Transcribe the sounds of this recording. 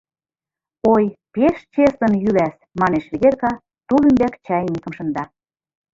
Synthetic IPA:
ojpeʃt͡ɕesə̆njylæs | mɑneʃβeɣerkɑ | t̪ulymbækt͡ɕɑjnikə̆mʃə̆nd̪ɑ

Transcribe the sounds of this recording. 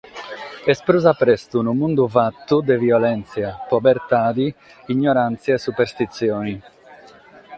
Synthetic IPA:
ɛspɾuzapɾɛst̪unumund̪uvat̪ːud̪ɛviɔlɛnt̪sjapɔbɛɾt̪aːd̪i | iɲːɔɾant̪sjaɛsːupɛɾst̪it̪sjɔːni

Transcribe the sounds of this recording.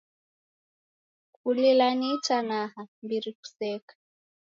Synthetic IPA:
kulilanitanaɦambiɾiku̥sɛːkḁ

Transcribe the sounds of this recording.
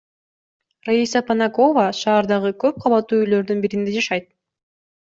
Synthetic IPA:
raisɑpɐnako̞vɑʃɑːɾd̪ɑʁɯkø̞p̚qʰɑlˠɑt̪ːuːyjlø̞ɾd̪ynbiɾind̪ed͡ʒɑʃɑjt̪̚

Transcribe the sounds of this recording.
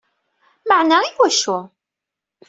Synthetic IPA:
məʕnaiwæʃu

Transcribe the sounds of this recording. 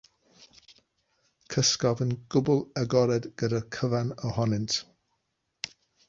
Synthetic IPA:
kʰəskɔvənɡ̥ʊbələɡɔɾɛdɡ̥ədəkʰəvanəhɔnɪnt

